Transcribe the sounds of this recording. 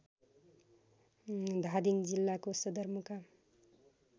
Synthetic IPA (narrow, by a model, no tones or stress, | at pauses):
d̪ʱad̪iŋd͡zilːakosʌd̪ʌɾmuka